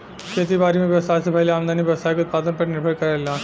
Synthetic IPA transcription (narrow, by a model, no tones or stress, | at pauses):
kʰet̪ibaɾimeʋjɛʋsaːsebʱəjleãːmd̪ʱaniʋjɐʋsajikʊt̪̚pad̪ənpəɾnɪɾbʱəɭkəɾalila